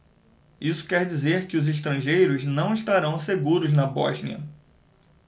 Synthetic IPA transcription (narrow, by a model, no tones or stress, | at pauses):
isʊ̥kɛɾd͡ʒizeɾkɪʊzeʃ̬t̪ɾɐ̃ʒejɾʊznɐ̃w̃iʃt̪aɾɐ̃w̃seɡuɾʊznɐbɔ̰ʒnḭɐ̰